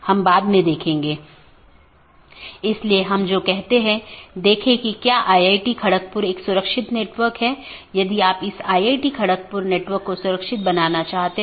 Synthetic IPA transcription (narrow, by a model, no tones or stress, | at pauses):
hɐmbaːd̪mẽd̪eːkʰẽːŋɡeː | ɪslieɦɐmd͡ʒoːkɛɦt̪eɦɛ̃d̪eːkʰẽkikjaːʔaːjaːɪʈikʰɐɽək̚pʊɾeːksʊɾəkʃɪt̪neːʈʋəɾkɦɛːjɐd̪iaːpɪsaːiaːɪʈikʰɐɽək̚pʊɾneːʈʋəɾkːosʊɾəkʃɪt̪̚bɐnaːnat͡ʃaːɦt̪e